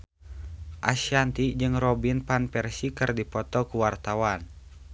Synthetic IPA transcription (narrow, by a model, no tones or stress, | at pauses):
ʔasiant̪id͡ʒɨŋrɔbinpanpɛrsikɨrdipɔt̪ɔkuwart̪awan